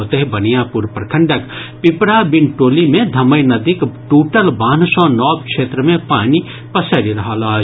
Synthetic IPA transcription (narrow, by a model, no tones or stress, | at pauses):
t̪eɦbɐnijãːpuɾpɾɐkʰə̃ɳɖəkpɪpɾaːbɪnʈoːlimẽd̪ʱɐməjnɐd̪ikʈuːʈəlbaːnsɔ̃ːnɔːbkʃeːt̪ɾəmẽpaːni | pɐsəɾiɾɐɦaːlaː